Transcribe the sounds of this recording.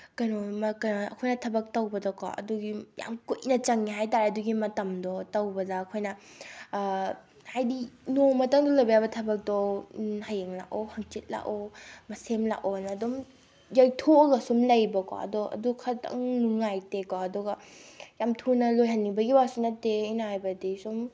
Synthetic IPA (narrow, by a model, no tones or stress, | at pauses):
kɐnomɐkɐnoɐ̰kʰojnɐtʰɐbɐk̚tɐwbɐdɔkɔ̰ʔɐ̰duɡija̰mkujnɐt͡ʃɐŋiɦajtaɾɐduɡimɐtɐmdɔtɐwbɐdɐːkʰojnɐ | hajdinomɐtɐŋdɔlɐbɐjabɐtʰɐbɐk̚dɔhajeŋla̰kohɐŋt͡ʃet̚la̰ʔomɐsemla̰konɐdum | jajtʰoɡɐsumlɐjbɐkɔ̰ɐ̰dɔʔɐ̰dukʰɐtɐ̰ŋnuŋajtekaɐdɔɡɐjamtʰunɐlojɦɐnːibɐɡibasunɐteːjnaɦajbɐdisum